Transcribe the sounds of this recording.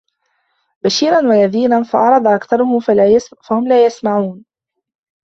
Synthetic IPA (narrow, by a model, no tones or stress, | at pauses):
baʃiːɾanwajaðiːnanfɑʔɑɾˤɑd̪ˤɑʔakθɑɾˤʊhʊafahʊmlaːjasmaʕuːn